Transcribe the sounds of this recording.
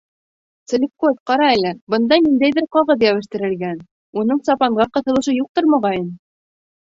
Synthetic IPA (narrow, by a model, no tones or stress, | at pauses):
t̪sɘ̆lʲikot̪qɑɾɑælːɘbɤ̆nd̪ɑnind̪æjðɘɾqɑʁɤðjæwɘ̆ʃt̪ɘ̆ɾɘ̆lɡæn | unɤɴsɑpɑɴʁɑqɤ̆θɤ̆lˠɤ̆ʃɤjuq̚t̪oɾmɑʁɑjɤn